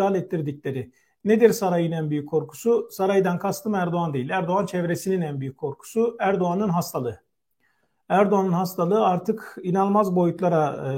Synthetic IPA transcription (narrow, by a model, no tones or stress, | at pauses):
aːlʲɛt̪ʰːiɾd̪iclʲe̞ɾi | ned̪iɾsaɾajɯnænbyjykʰːo̞ɾkʰu̥susaɾajd̪ankʰast̪ʰɯmæɾd̪oand̪e̞jilʲæɾd̪o̞ant͡ʃʰɛvɾesininænbyjykʰːo̞ɾkʰu̥suæɾd̪oanɯnɦast̪ʰalˠɯ | æɾd̪oanɯnɦast̪ʰalˠɯaɾt̪ʰɯkinalˠmazbo̞jut̪ʰlˠaɾa